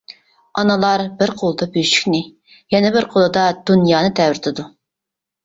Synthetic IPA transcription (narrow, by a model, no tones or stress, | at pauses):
ɑnɨlˠɑɾbɪɾqʰolˠd̪ɑbyʃy̥kʲnɪ | jɛnɛbɪɾqʰolˠɨd̪ɑd̪̥unjɑːnɨt̪ʰɛwɾɪt̪ʰɪd̪u